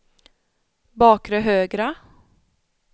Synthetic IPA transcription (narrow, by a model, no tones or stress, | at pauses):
bɑːkɾəɦøːɡɾə